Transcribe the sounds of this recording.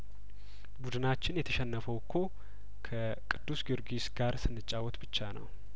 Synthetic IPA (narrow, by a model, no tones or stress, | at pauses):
bud̪ɨnat͡ʃːɪnjɛt̪ʰəʃɛnːəfəwkʰːo̞ | kʰə | kʼɨd̪ːusɡɨɾɡisɡaɾsɨnːɨt͡ʃʼːawɔt̪bɨt͡ʃːanə̰w